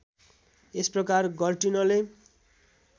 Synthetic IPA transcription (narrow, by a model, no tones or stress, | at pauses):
esprʌkarɡʌrʈinʌle